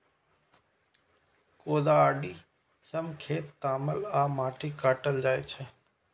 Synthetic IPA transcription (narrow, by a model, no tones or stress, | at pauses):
koːd̪aaːɖiː | səmkʰeːt̪ːaːməlaːmaːʈʰikaːʈəld͡ʒaːet͡ʃʰe